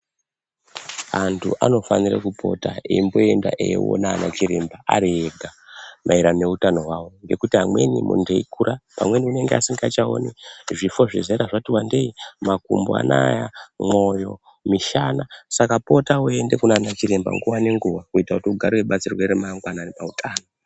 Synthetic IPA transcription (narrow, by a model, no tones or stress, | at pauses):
antʰṵʔa̰no̞fanira̰kupʰo̞̰taḛimbo̞e̞nda̰ʔḛjḛwo̰naːnat͡ʃiɾembaa̰ɾieɡʱamʔaiɾane̞utano̞ɦwawo̞ŋɡe̞kutiɦamwe̞̰nimṵndeikuɾapamwe̞niune̞ŋɡea̰siŋɡat͡ʃao̰neʐifo̞ʐizeɾaʐatiwande̞imakumboa̰najamo̞jo̞̰ | miʃanasakapo̞taue̞nde̞kunaːnat͡ʃiɾemba̰ŋɡuwane̞ŋɡuwakuitakutiuɡʱaɾiweɓat͡sirweɾemaŋɡwananepautʰaːno